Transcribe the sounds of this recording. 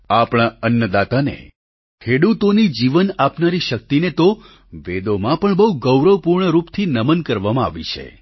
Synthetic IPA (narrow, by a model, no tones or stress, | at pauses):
apɽ̃aənjəd̪at̪anḛ | kʰeɽut̪onid͡ʒiʋənapnaɾiʃək̚t̪inet̪o | ʋed̪omãpəɳbəɦuɡəwɾəʋpuɾɳəɾupt̪ʰinəmənkəɾʋamãa̰ʋit͡ʃʰḛ